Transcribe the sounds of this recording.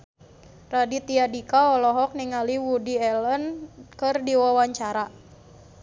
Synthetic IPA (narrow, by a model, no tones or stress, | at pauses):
radit̪iadikaɔlɔɦɔk̚niŋaliwudiɛlənkɨrdiwawaɲt͡ʃaɾa